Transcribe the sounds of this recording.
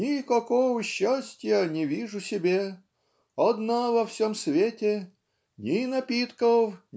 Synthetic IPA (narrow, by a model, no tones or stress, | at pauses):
nʲɪkɐkovəɕːasʲtʲjənʲɪvʲiʐʊsʲɪbʲe | ɐd̪navɐfsʲomsvʲetʲɪ | nʲɪnɐpʲit̪kəwʲ